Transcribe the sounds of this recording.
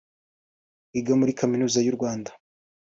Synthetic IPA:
iɡamuɾikaminuːzajuɾɡwaːnda

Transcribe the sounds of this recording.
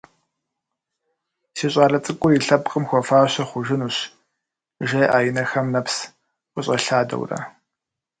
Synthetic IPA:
siːɕʼaːɮɐt͡sʼɨkʷʼʊjiɬɐbqʼəmxʷɔfaːɕɐχʷʊʒɪnuːɕ | ʒɐjʔaːjɪnɐxɐmnɐps | ʔʷʼʊɕʼɐɬaːdɐ̰wrɐ̰

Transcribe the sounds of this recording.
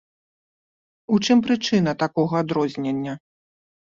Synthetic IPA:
ut͡ʂɨmpɾɨt͡ʂɨnɐt̪akɔɣɐad̪ɾɔzʲnʲenʲːɐ

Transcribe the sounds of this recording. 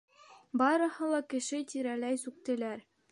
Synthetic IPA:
bɑɾɤ̆hɤ̆lˠɑkɘ̆ʃɘt̪iɾælæjsʉk̚t̪ɘ̆læɾ

